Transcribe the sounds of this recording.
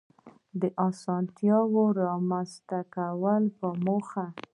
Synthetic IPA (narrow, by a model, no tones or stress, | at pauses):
d̪əʔɑsɑnt̪jɑwoɾɑmanst̪akawəlpəmoxa